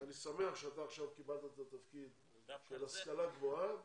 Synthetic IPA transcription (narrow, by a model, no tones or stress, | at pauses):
anisame̞aχʃeat̪aːχʃavkibalt̪at̪at̪afkid̪ | ʃelaskalaɡvoa